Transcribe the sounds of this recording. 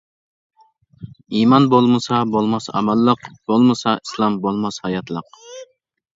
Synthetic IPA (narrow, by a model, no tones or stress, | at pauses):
imɑnbolˠmɨsɑbolˠmɑsɑ̰mɑlˠːəqbolˠmɨsɑislˠɑmbolˠmɑshɑjɑt̪ʰlˠəq̚